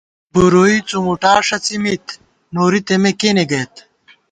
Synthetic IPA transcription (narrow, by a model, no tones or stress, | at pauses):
buɾoit͡sumuʈaːʂɐt͡simit̪ | noːɾit̪emekeneɡɐjt̪